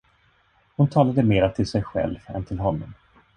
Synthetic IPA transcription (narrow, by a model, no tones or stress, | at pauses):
hʊnt̪ʰɑːlad̪əmeːɾat̪ʰɪlsɛjɧɛ̰lvɛ̰nt̪ʰɪlɦɔnːɔm